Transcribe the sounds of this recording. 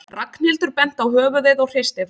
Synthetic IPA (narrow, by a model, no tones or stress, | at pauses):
rakn̥ɪlt̪ʏɾpɛn̥t̪awhœːvʏvɪðɔwr̥ejst̪ɪ